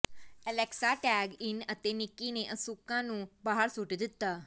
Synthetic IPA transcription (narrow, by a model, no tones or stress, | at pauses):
ɛleksaʈɛɡinət̪enikːineʔəsukãnũbaɦaɾsuʈd̪ɪt̪ːa